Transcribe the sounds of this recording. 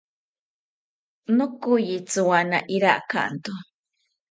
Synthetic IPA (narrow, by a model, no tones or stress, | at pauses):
nokujit͡sɨwanaʔiɾaʔka̰ʔnt̪u